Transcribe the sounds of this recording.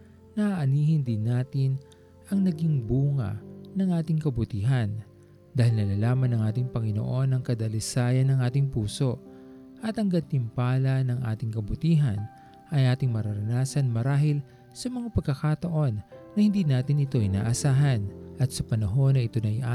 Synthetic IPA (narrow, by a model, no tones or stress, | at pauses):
nɐʔaʔɐniːhɪnd̪ɪnːaːt̪ɪn | ɐŋnɐɡiŋbuːŋɐ̰nɐŋʔaːt̪ɪŋkɐbʊt̪iːɦɐn | d̪aːhɪlnɐlalaːmɐnɐŋʔaːt̪ɪŋpɐŋɪno̰ʔo̞nɐŋkɐd̪ɐlɪsaːjɐnɐŋʔaːt̪ɪŋpuːso̞ | ʔɐt̪ɐŋɡɐt̪ɪmpaːlɐnɐŋʔa̰ːt̪ɪŋkɐbʊt̪iːɦɐn | ʔɐjʔaːt̪ɪŋmɐɾɐɾɐnaːsɐnmɐɾaːɦɪl | sɐmɐŋapɐɡ̚kːɐkat̪ɐʔo̞nː | ɐhɪnd̪iːnaːt̪ɪnɪt̪o̞ʔɪna̰ːʔɐsaːɦɐnʔɐt̪sɐpɐnɐɦo̞nːɐʔɪt̪onɐjʔa